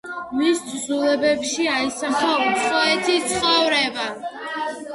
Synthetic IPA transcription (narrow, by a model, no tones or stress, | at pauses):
misʰzulɛbɛpʃiaisaχausʼɔɛt̪ʰit̪sʰχɔvɾɛba